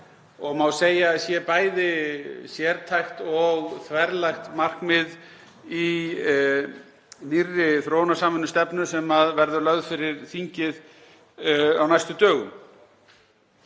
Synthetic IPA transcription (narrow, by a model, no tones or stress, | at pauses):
ɔɣmawseːjasjɛpaːjðɪsjɛɾt̪ʰajxt̪ɔɣθvɛɾlajxt̪mar̥kmɪð | i | nirːɪθɾownasaːmʏnːʏst̪ɛpnʏsɛmaðvɛɾðʏlœɣðfɪɾɪɾθiɲcɪð | awnajst̪ʏt̪œːɣʏ̰m